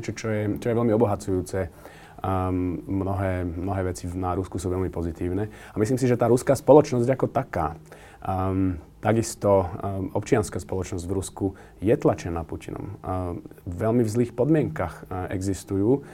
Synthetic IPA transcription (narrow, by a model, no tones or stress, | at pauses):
ɛt͡ʃɔt͡ʃɔjɛt͡ʃɔjɛʋɛlmiɔbɔɦat͡sujuːt͡sɛ | mnɔɦɛːmnɔɦɛːʋɛt͡sinaɾuskusuːʋɛlmipɔzit̪iːʊnɛ | amislims̬iʒɛt̪aːɾuskaːspɔlɔt͡ʃnɔzɟakɔt̪aka̰ː | t̪aɡist̪ɔɔpt͡ʃɪanskaːspɔlɔt͡ʃnɔzɟvɾusku | jɛt̪lat͡ʃɛnapucinɔ̰m | ʋɛlmivzliːxpɔd̪mɪɛŋkaxɛ̰ɡzist̪ujuː